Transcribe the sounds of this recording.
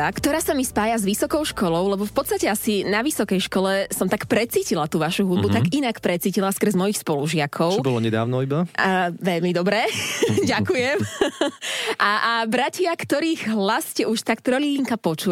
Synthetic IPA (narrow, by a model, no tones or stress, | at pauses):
akt̪ɔɾaːsamispaːjazʋisɔkɔʊʃkɔlɔʊlɛbɔfpɔt̪st̪acɛasinaʋisɔkɛjʃkɔlɛsɔmt̪akpɾɛt͡siːcilat̪uːʋaʃuɦud̪̚but̪aɡinakpɾɛt͡siːcilaskr̩zmɔjixspɔluʒɪakʰɔʊt͡ʃɛbɔlɔɲɛd̪a̰ːʊnɔibaʋɛʎmid̪ɔbɾɛɟakujɛm | ʔaabɾacɪakt̪ɔɾiːɣɦlasːcɛuʃt̪akt̪ɾɔliliŋkapɔt͡ʃu